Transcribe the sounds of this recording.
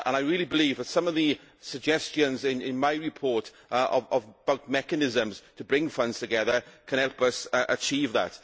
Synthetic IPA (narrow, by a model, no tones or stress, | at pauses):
ʔə̰̃naɪɹiːlˠibɪliːvðətsʌ̃məvðə | səɡ̚d͡ʒɛst͡ʃə̃nzɪ̃nɪ̃nmaɪɹɪpʰɔɹt | ʔəvəvb̥aʊt̚mɛkənɪzə̃mz̥tʰəbɹɪ̃ŋfʌ̃ndz̥tʰəɡɛðəkʰə̃ñhɛlˠpəsʔət͡ʃʰiːvðə̰t